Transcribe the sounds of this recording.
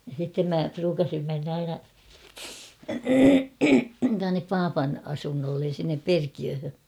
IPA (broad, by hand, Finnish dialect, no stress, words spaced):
jɑ sitːem mæ pruːkɑsim menː ɑinɑ tuɑnːep pɑːpɑn ɑsunːolːen̞ sinːep perkiøhø